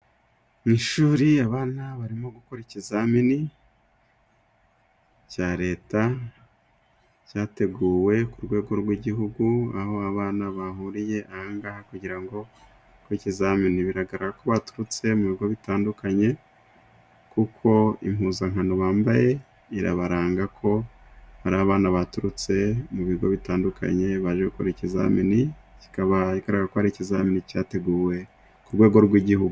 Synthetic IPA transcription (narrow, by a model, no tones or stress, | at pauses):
miʃuːɾiaβaːnaβaɾimo̞ɡukoɾicizamini | caɾe̞ːta | caːte̞ɡuːwe̞kuɾɡwe̞ːɡo̞ɾwiɟiɦuɡuaho̞aβaːnaβahuɾije̞ʔahaːŋɡahakuɟiɾaŋɡo̞ | kwicizaminiβiɾaɡaɾaɾako̞βatu̥ɾut͡se̞muβiɡo̞βitaːndukaɲe̞ | kukʰo̞ḭm̥huːzaŋ̥hanoβaːmbaje̞ | iɾa̰βaɾaːŋɡakʰo̞haɾaaβaːnaβatuɾut͡se̞muβiɡo̞̰βitaːndukʰa̰ɲe̞βaʒeɡukoɾiciza̰minici̥kaβaiɡaɾaɡakohaɾicizaminicaːte̞ɡuːwe̞ | kuɾɡwe̞ːɡo̞ɾɡwiɟihuɡu